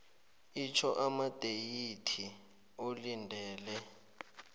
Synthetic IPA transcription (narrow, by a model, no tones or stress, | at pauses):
it͡ʃʰɔʔamad̥ʱejitʰi | olindʱɛːlɛ